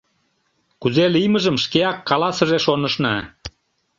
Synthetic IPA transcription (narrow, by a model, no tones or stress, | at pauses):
kuzelijməʒəmʃkeɑkːɑlɑsə̆ʒeʃonəʃnɑ̰